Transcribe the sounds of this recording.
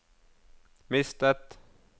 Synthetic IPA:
mɪst̪ət̪

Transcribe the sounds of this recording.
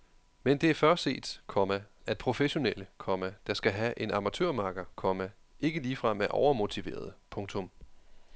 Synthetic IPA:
mend̥e̝æɐfɶɐ̥se̝̰ːd̥kʰɒ̽mæ | æd̥̚pʰʁo̝feɕo̝nel̰əkʰɒ̽mæd̥ɑ̈sɡ̥æɦæʔe̝nɑ̈mæt͡sʰøɐ̰mɑ̈ːɡ̥ɐkʰɒ̽mæ | e̝ɡ̥əliːfʁɑ̈meʔɒʊɐmo̝t͡sʰiʋe̝̰ːɐð̞ˠəpʰɔ̽ŋt͡sʰɔ̽m

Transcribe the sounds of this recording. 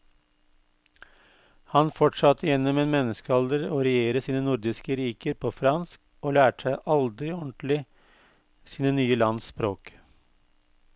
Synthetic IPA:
hɑnfɔʈʂɑt̪ʰːəjɛnːɔmeːnmɛnəskəɑld̪əɾoːɾɛjeːɾəsiːnənʊɾd̪ɪskəɾiːkəɾpʰoːfɾɑnsk | oːlæːʈəæɪʔɑld̪ɾɪɔɳt̪lɪ | siːnənyːəlɑnspɾoːk

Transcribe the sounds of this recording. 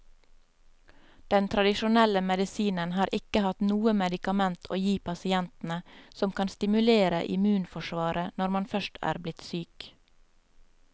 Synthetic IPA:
d̪̥ɛnt̪ʰɾɑd̪ɪʃʊnɛləmɛd̪ɪsiːnənhɑːɾʔɪkəhɑt̪nuːəmɛd̪ɪkɑmɛnt̪ʰo̰ːjiːpʰɑsɪɛnt̪n̩əsɔmkʰɑnst̪ɪmʉleːɾə̰ʔɪ̰mʉːnfɔʃʋɑːɾənɔɾmɑnfœʃtʰæ̰ːɾblɪt̪syːk

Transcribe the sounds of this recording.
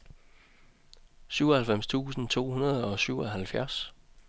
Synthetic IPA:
syʊ̰ɒhælfem̰st͡sʰṵːsn̩t͡sʰo̝̰ːhunɐð̞̩ˠɒ̽syʊɒ̽ɦælfjæɐs

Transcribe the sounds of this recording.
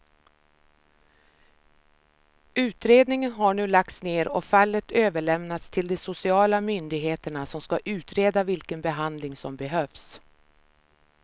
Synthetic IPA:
ʉ̟ːt̪ɾeːd̪nɪŋənɦaɳʉ̟ːlak̚t̪sneːɾɔ̰falːət̪øːvəɭɛmnat̪st̪ʰɪld̪ɛsʊsɪɑːlamʏnd̪ɪɡɦeːt̪əɳasɔmskaʔʉ̟ːt̪ɾeːd̪avɪlkənbɛɦand̪lɪŋsɔmbɛɦœːvs

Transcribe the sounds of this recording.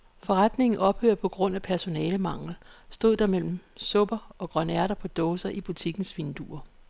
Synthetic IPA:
fɒ̽ʁad̥ne̝ŋn̩ʔɒ̽b̥hø̰ːɐ̰pʰɒ̽ɡ̥ʁɔ̽n̰æpʰæɐso̝nɛːləmɑ̈ŋ̰l̩sd̥o̝ð̰ˠd̥ɑ̈mel̰m̩sɔ̽b̥ɐɒ̽ɡ̥ʁɶnæɐ̰ɾ̥ɐpʰɒ̽d̥ɔːsɐʔib̥ut͡sʰiɡ̥n̩sʋind̥ṵɐ

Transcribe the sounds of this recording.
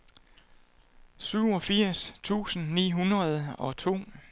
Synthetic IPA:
syʊ̰ɒ̽fiɐ̰st͡sʰṵːsn̩nḭːɦunʁɐð̞ˠɒ̽t͡sʰo̝̰ː

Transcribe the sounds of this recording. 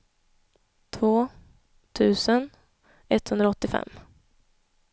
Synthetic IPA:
t̪ʰvoː | t̪ʰʉ̟ːsən | ɛt̪ːhɵnd̪ɾaɔt̪ːɪfɛ̰mː

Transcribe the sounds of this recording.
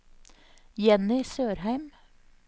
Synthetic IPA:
jɛnɪsøːɾhæɪm

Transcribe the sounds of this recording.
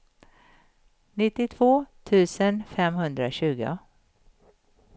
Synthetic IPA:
nɪt̪ːɪt̪ʰv̥oːt̪ʰʉ̟ːsənfɛmɦɵnd̪ɾaɕʉ̟ːɡʊ̰

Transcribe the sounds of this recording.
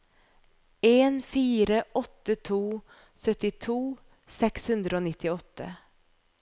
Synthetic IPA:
eːnfiːɾəʔɔt̪ːət̪ʰuː | sœt̪ɪt̪ʰuː | sɛkshʉnd̪ɾəoːnɪt̪ːɪɔt̪ːə̰

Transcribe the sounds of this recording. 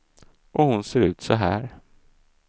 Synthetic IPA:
ʔɔhʊnseːɾʉ̟ːt̪sɔɦæːɾ

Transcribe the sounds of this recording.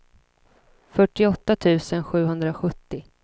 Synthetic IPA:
fœʈːɪɔt̪ːat̪ʰʉ̟ːsənɧʉ̟ːɦɵnd̪ɾaɧɵt̪ːɪ

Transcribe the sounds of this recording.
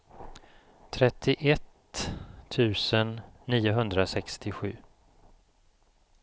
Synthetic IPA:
t̪ʰɾɛt̪ʰːɪʔɛt̪ʰː | ʉ̟ːsənːiːʊɦɵnd̪ɾasɛkst̪ʰɪɧʉ̟ː

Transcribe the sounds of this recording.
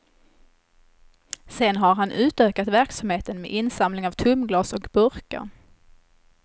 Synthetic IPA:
sɛnɦaɾɦanʔʉ̟ːt̪øːkat̪væɾksamheːt̪ənmḛːʔɪnsamlɪŋavt̪ʰɵmɡlɑːsɔkbɵɾkə̰ɾ

